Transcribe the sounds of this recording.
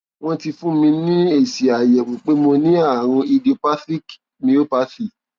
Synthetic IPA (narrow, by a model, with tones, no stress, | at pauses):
w̃ɔ̃˦ti˧fũ˦˨mĩ˧nĩ˦e˦˨si˨a˨jɛ˨kũ˨k͡pe˨˦mo˧nĩ˦a˦˨ɾ̃ɔ̃˧i˧di˨o˨pa˦tɾi˦k | mĩ˧˦o˦pa˦fi˦˨